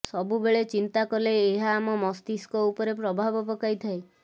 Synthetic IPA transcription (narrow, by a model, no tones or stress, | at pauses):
sɔbubeɭet͡ʃint̪akɔleːɦaːmɔmɔst̪iskɔupɔɾepɾɔbʱabɔpɔkajt̪ʰae